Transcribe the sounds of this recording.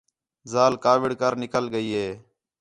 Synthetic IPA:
zaːlkaːʋɪɽkəɾnɪkəlɡəiːɦeː

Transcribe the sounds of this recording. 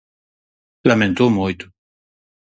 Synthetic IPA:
lamẽnt̪omojt̪u̥

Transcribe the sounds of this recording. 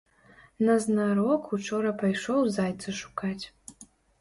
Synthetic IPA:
nɐznaɾɔkut͡ʂɔɾɐpajʂɔwzajt̪sɐʂu̥kat͡sʲ

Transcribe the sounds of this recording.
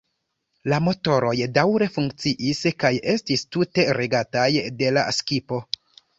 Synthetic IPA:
lamo̞to̞ɾo̞jdawɾe̞fuŋk̚t͡siʔiskaje̞stistute̞ɾe̞ɡatajde̞laskipo̞

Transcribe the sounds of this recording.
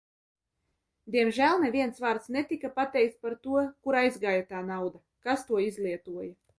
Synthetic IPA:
d̪ʲiɛmʒælˠnevʲiɛnsvaːɾt̪snʲɛt̪ʲikapat̪ɛjk̚t̪spaɾt̪uɔkuɾajzɡaːjat̪aːnawd̪a | kast̪uɔizlʲˠiɛt̪uɔja

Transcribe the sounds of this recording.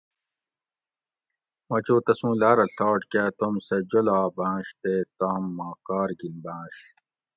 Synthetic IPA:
mɐt͡ɕoːt̪ɐsũːlaːɾɐɬaːʈkat̪omsɐd͡ʑolaːbãːɕt̪et̪aːmːaːkaːɾɡilbãːɕ

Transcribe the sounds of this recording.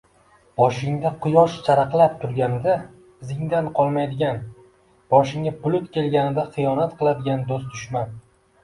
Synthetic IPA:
b̥ɒʃɪŋd̪aqʰʊjɒʃt͡ʃʰaɾaqlˠap̚t̪ʰʊɾɡʲanɪd̪a | bɪzɪŋd̪anqʰɒlˠmajd̪ɪɡʲan | b̥ɒʃɪŋabʊlˠʊt̪kʲʰe̞lɡʲanɪd̪aχɨjɒnat̪qɨlˠad̪ɪɡʲand̪ost̪t̪ʰʊʃman

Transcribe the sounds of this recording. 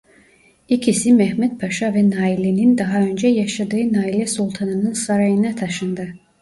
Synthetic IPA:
icʰisimɛɦmut̪̚pʰaʃavɛnaːilʲenind̪ɑɦaø̞nd͡ʒɛjaʃad̪ɯːnaːilʲɛsulˠt̪ʰanɯnɯnsaɾajɯnat̪ʰaʃɯnd̪a

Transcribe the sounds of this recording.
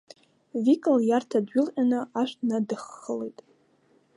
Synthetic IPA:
vikʼɨljartʰadɥʊlqʲʼanɨaʃʷᶣnadɨχːəlejtʼ

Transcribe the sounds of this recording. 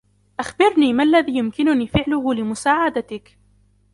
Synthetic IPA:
ʔaxbɪɾniːmaʔlːaðiːjʊmkɪnʊniːfɪʕlʊhʊlɪmʊsaːʕad̪at̪ɪk

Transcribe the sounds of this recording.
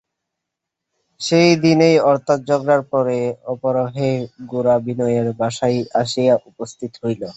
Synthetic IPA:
ʃejd̪inejɔɾt̪ʰat̪̚d͡ʑɔɡɾaɾpɔɾeɔpoɾoɦeɡoɾabinɔjeɾbaʃajʔaʃijaʔupost̪ʰit̪oɦojlo

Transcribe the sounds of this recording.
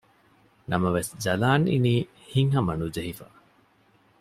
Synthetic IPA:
nɐmɐʋesd͡ʒɐlaːnḭniː | hiŋɦɐmɐnud͡ʒeɦifɐ̰

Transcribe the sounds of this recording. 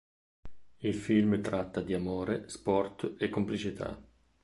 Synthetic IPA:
ilfilmt̪ɾat̪ːad̪iamoːɾespɔrt̪ekːomplit͡ʃit̪ʰa̰

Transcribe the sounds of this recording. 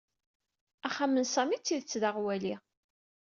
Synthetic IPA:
æχamənsæmit͡sːiðət͡sːðaʁwæli

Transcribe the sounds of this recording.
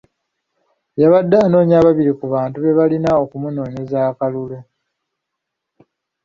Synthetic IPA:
jaβadːaːno̞ːɲaβaβiɾikuβaːntuβe̞βalinao̞kumuno̞ːɲe̞zaːkalule

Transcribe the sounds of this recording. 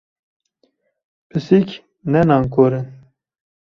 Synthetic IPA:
pɨsik | nɛnɑːŋkoːɾɨn

